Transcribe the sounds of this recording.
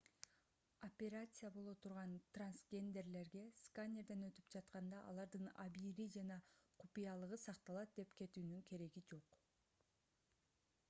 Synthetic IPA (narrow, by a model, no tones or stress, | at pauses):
opʲe̞ɾat̪sɨjabo̞lˠo̞t̪ʰuɾʁɑnt̪ransɡʲe̞nd̪ʲe̞rle̞ɾɡe̞skanʲe̞ɾd̪enø̞t̪y̥pd͡ʒɑt̪qɑnd̪ɑʔɑ̰lˠɑɾd̪ɯnɑ̰biːɾid͡ʒɑnɑqʰupijɑlˠɯʁɯsɑqt̪ɑlˠɑt̪̚d̪e̞pkʰe̞t̪yːnyŋkʰe̞ɾe̞ɡid͡ʒo̞q